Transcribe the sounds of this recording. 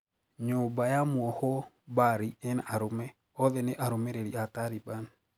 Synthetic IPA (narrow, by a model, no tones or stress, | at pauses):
ɲobajamwɔhɔ | baɾiɛnaʔaɾomɛ | ɔðɛneʔaɾomɛɾeɾiataɾiban